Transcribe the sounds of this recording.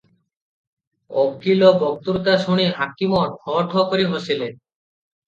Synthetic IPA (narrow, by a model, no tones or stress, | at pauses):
o̰kːilobɔk̚t̪uɾt̪aʃuɽ̃iɦakimɔʈkʰɔʈʰɔkoɾiɦosilen